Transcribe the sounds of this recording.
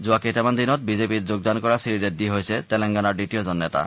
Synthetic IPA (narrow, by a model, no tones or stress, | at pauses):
zuaketamand̪inɔt̪̚bizepitd͡ʑoɡ̚d̪ankɔɹasiɾidet̪̚d̪iɦojsɛt̪ɛlɛŋɡanaɹɖiʈiozɔnːɛt̪a̰